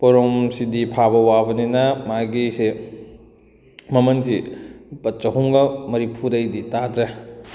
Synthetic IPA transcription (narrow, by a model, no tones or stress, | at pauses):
pɔɾomsidipʰabɐwabɐninɐmaɡise | mɐmɐnsipɐtt͡ʃɐɦuŋɡɐmɐɾipʰudɐjditadɾe